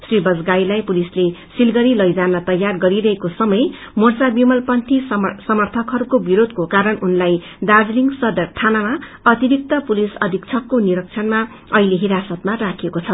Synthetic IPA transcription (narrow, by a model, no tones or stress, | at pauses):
sribʌd͡zɡajlajpulislesilɡʌɾilʌjd͡zanːʌt̪ʌjːarɡʌɾiɾʌɦekosʌmʌj | mort͡sabimʌlpʌnt̪ʰissʌmʌrt̪ʰʌkɦʌɾukobiɾod̪ʱkokaɾʌnunlaj | d̪ard͡zliŋɡsʌd̪ʌrt̪ʰanama | ʌt̪ibik̚t̪ʌpulisʌd̪ʱikt͡sʰʌkːoniɾʌk̚t͡sʰʌnma | ʌileɦiɾasʌt̪marakʰekot͡sʰʌ